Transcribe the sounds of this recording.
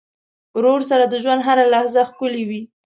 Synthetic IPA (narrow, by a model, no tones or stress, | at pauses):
ɾoɾs̬aɾad̪əʒwand̪ɦaɾalahzaxkʊlewi